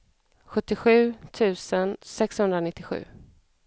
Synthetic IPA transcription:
ɧɵt̪ːɪɧʉ̟ːt̪ʰʉ̟ːsənsɛkshɵnd̪ɾanɪt̪ːɪɧʉ̟̰ː

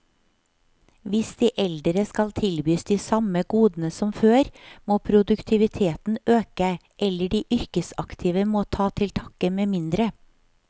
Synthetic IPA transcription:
ʋɪsd̪̥iːʔɛld̪ɾəskɑlt̪ʰɪlbyːsd̪iːsɑməɡuːd̪n̩əsɔmføːɾmoːpʰɾʊd̪ʉkt̪ʰɪʋɪt̪ʰeːt̪n̩øːkə | ʔɛləɖiːʔʏɾkəsɑkt̪ʰiːʋəmoːt̪ʰɑːt̪ʰɪlt̪ʰɑkəmeːmɪnd̪ɾə

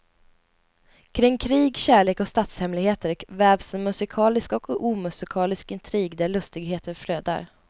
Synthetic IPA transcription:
kʰɾɪŋːkʰɾiːɡɕæːɭeːkɔkst̪at̪shɛmlɪɡheːt̪əɾvæːvsɛnmɵsɪkʰɑːlɪskɔkuːmɵsɪkʰɑːlɪskɪnt̪ʰɾiːɡd̪æɭɵst̪ɪɡheːt̪ʰəɾfløːd̪a̰ɾ

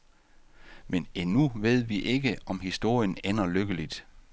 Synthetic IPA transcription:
menenuʋe̝ð̞̰ˠʋiʔe̝ɡ̥əɒ̽mhisd̥o̝ɐ̰jənenɐløɡ̥əlid̥

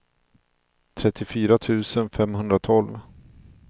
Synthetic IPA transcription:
t̪ʰɾɛt̪ʰːɪfyːɾat̪ʰʉ̟ːsənfɛmhɵnd̪ɾat̪ʰɔlv

